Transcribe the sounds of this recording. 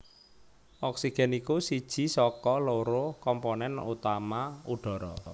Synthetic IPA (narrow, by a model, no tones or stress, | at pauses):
ʔɔksiɡ̥ɛ̤nikusid̥ʒ̥i̤sɔkɔloɾʊhkɔmponɛnṵt̪amauɖ̥ɔ̤ɾɔ̰